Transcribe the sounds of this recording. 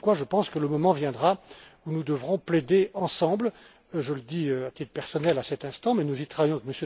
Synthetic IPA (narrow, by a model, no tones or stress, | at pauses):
kwaʒəpɑ̃skələmɔmɑ̃vjɛ̃d̪ʁaunud̪əvʁɔ̃pled̪eɑ̃sɑ̃bl | ʒələd̪iøat̪it̪pɛʁsɔnɛlasɛt̪ɛ̃st̪ɑ̃mɛnuzit̪χavajɔ̃kməsjø